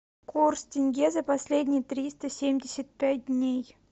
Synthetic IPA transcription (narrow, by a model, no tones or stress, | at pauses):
kurstʲɪnʲɡʲezəpɐsʲlʲedʲnʲɪjət̪ɾʲist̪əsʲemʲdʲɪsʲət̪̚pʲæt̚ʲdʲnʲej